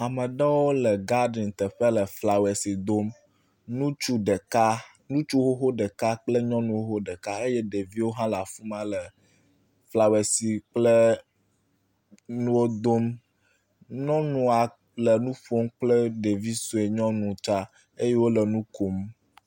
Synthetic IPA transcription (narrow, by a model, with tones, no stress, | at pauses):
a˨mə̃˨ɖa˦wo˦lə˨ɡa˦ɖi˨nt̪ə˨ɸə˦lə˨fla˨we˨si˨d̪o˦m | nũ˦t͡ʃu˦ɖə˨ka˦ | nũ˦t͡ʃu˦ɦo˦ɦo˦ɖɛ˨ka˦k͡plə˦ɲɔ̃˦nũ˦wo˦ɦo˦ɖɛ˨ka˦e˦jɛ˦ɖe˨vi˦wo˦ɦã˦la˨fu˦mã˦lə˨ | fla˨we˨si˨k͡plə˦ | nũ˦wo˦d̪o˦m | ɲɔ̃˦nũ˨a˨ | lə˨nũ˦ɸo˦mk͡plə˦ɖe˨vi˦su˨e˨ɲɔ̃˦nũ˨t͡ʃa˦ | e˦je˦wo˦lə˨nũ˦ko˨m